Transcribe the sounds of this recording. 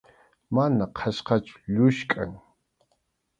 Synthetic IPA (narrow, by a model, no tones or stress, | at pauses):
manaqʰaʃqɑt͡ʃʊ̥ʎʊʃkʼa̰ŋ